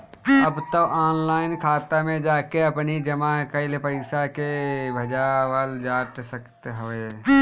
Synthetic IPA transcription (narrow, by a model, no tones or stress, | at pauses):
əbt̪əbʔɔːnlaːɪnkʰaːt̪amẽd͡ʒaːkeəpnid͡ʒəmakəɪlepəɪsakebʱəd͡ʒawəld͡ʒaːʈsəkt̪ɦəe